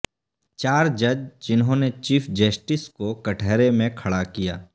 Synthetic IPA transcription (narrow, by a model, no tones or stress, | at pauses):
t͡ʃaːɾd͡ʒɐd͡ʒd͡ʒɪnɦõnet͡ʃiːpʰd͡ʒəsʈɪskokɐʈʰɛːɾemẽkʰɐɽakija̰ː